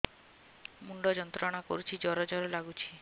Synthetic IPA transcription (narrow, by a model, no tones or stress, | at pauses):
muɳɖɔd͡ʒɔnt̪ɾɔɽ̃akɔ̰ɾut͡ʃʰid͡ʒɔɾɔd͡ʒɔɾɔlaɡut͡ʃʰi̥